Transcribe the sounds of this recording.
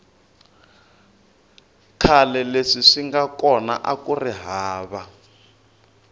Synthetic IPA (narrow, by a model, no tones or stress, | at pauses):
kʰalɛleʂiʂiŋɡakɔna̰ʔakuriɦaːβa